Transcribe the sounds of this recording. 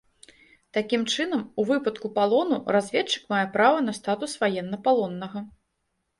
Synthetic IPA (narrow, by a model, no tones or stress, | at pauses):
t̪akʲimt͡ʂɨnɐmuvɨpɐt̪kupalˠɔnurazʲvʲɛt͡ʂːɨ̥kmajɛpɾavɐnɐst̪at̪usvajɛnːɐpalˠɔnːɐɣɐ